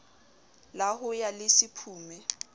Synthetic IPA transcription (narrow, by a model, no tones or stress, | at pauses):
laɦʊjalɪsɪpʰuːmɛ